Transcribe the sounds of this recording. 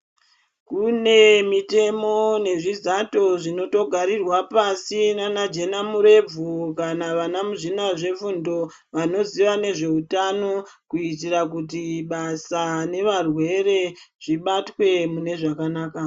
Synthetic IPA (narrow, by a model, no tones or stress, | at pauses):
kune̞mite̞mo̞ne̞ʐizato̞ʐino̞to̞ɡʱaɾirwapasinanad͡ʒe̞namuɾe̞b͡vukanaʋanamuʐinaʐe̞fundo̞ | ʋano̞ziʋane̞ʐe̞utano̞kuitirak̬ut̬iɓasane̞ʋarwe̞ɾe̞ʐ̥iɓatwe̞mune̞ʐakanaːka